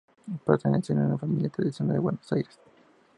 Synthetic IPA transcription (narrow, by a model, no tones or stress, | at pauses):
pat̪aneseneunafamiljat̪ɾaðisjonaldewenosajɾes